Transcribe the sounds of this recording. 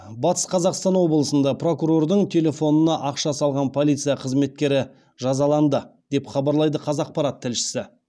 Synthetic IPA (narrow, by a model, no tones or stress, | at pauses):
bɑt̪ə̥sqʰɑzɑqst̪ɑnwo̞blˠəsənd̪ɑpro̞kuɾo̞rd̪əɴt̪ʲʰe̞lʲe̞fo̞nənɑʔɑqʃɑsɑlˠʁɑnpʰo̞lˠijt̪sɨjɑqʰəzme̞t̪̚kʲe̞ɾɪ | ʒɑzɑlˠɑnd̪əd̪̥e̞pχɑbɑɾlˠɑjd̪əqʰɑzɑq̚pɑɾɑt̪ʰːɪlʃɪ̥sɪ